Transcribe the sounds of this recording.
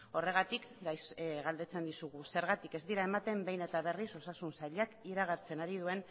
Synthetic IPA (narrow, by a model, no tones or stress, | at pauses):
o̞re̞ɣat̪ikɡajsɣald̪e̞t͡se̞nd̪isuɣuse̞ɾɣat̪ike̞zd̪iɾae̞mat̪e̞mbe̞jne̞t̪aβ̞e̞riso̞sasunsaʎakiɾaɣ̞at͡se̞naɾið̞ue̞n